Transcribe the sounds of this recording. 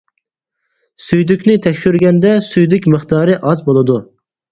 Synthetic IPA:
syjd̪ykʲnɪt̪ʰɛkʲʃyɾɡʲɛnd̪ɛsyjd̪ykʲmɨχt̪ʰɑːɾɨʔɑzbolˠɨd̪u

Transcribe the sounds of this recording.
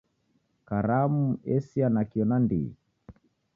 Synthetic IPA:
kaɾamuɛsianakiɔnandḭ

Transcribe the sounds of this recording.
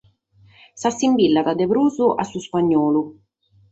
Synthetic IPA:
sasːimbilːad̪ad̪epɾuːzuʔasːuspaɲːɔːlu

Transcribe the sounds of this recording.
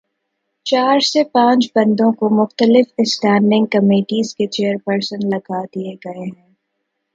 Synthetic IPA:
t͡ʃaːɾsepãːt͡ʃbɐ̃nd̪õkomʊxt̪əlɪfɪsʈɛ̃ːɳɖɪ̃ŋɡ̚kɐmeːʈiːzket͡ʃeːəɾpəɾsə̃nlɐɡad̪ieɡɐeɦɛ̃ː

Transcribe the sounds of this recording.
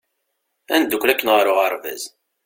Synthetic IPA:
æ̰nd̪ːukːlækːənʁɾʊʁaɾˤvæ̰z

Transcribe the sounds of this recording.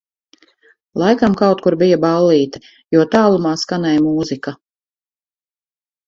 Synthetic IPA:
lˠajkamkawt̪̚kuɾbijabalˠːiːt̪ḁ | juɔt̪aːlˠumaːskanɛjmuːzika

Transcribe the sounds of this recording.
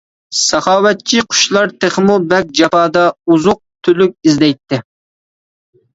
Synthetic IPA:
sɑχɑːwɛt̪̚t͡ʃʰiqʰʊ̥ʃlˠɑɾt̪ʰeχmubɛk̚ʲd͡ʒɑpɑːd̪ɑuzʊq̚t̪ʰylyk̚ʲizd̪ɛjt̪ʰːɪ

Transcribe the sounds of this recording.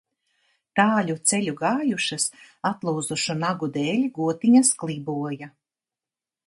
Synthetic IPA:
t̪aːlʲut̪sɛʎʲuɡaːjuʃasat̪lˠuːd̪zuʃunaɡud̪ɛːlʲɡuɔt̪iɲasklˠibuɔja

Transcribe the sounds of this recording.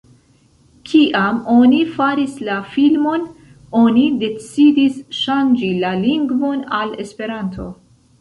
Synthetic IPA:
kʰiʔamo̞nifaɾislafilmo̞n | o̞nide̞t͡sidisʃand͡ʒilaliŋɡvo̞nale̞spe̞ɾantʰo̞̰

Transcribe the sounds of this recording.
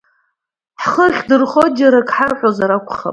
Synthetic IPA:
ħχəχʲdɨrχod͡ʒaɾakʰʼħarqʲʷʼozaɾakʷʰχa̰pʼ

